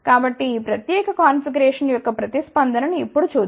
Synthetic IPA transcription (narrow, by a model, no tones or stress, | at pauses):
kaːbɐʈːiiːpɾɐt̪jɛːkɐkaːnfiɾɡɐɾɛːʂɐnjɔkːɐpɾɐt̪ispɐnd̪ʱɐnɐnuipːuɽut͡ʃuːd̪